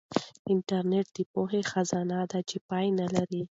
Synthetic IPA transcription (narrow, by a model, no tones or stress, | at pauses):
ɪɳʈaɾneʈ̚d̪̥əpoɦexazɑnad̪at͡ʃepɑjnalaɾi